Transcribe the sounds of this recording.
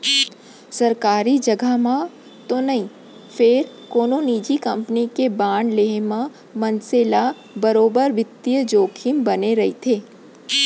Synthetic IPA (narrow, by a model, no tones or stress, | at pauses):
sɐɾkaːɾid͡ʒɐɡəɦmã | t̪onɐɦĩ | fʰɪɾ | koːnoniːd͡ʒikɐ̃mpnikebaːɳleɦmã | mɐ̃nsela | bɐɾoːbəɾʋɪt̪ːijəd͡ʒoːkʰimbɐneɾɐɦit̪ʰeː